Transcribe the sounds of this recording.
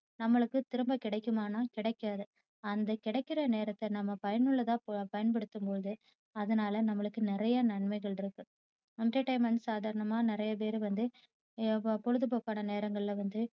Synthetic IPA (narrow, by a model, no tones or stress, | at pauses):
nɐmːɐɭɯkːɯt̪ɪɾɯmbɐkɪɽɐɪkːɯmaːnaːkɪɽɐɪkːaːðɯ | ɐnd̪ɐkɪɽɐɪkːɪɾɐneːɾɐt̪ːɛnɐmːɐpɐjɐnɯɭːɐt̪ãːppɐjɐnpɐɽɯt̪ːɯmpoːðɯ | ɐðɐnaːlɐnɐmːɐɭɯkːɯnɪɾɐjɐnɐɳmɐɪɣɐɭɪɾɯkːɯ | ɐɳʈɐʈɐɪmɐnsaːðaːɾɐnɐmaːnɪɾɐjɐp̬eːɾɯʋɐnd̪ɯ | pɔɻɯðɯp̬oːkːaːnɐneːɾɐŋɡɐɭɪlʋɐnd̪ɯ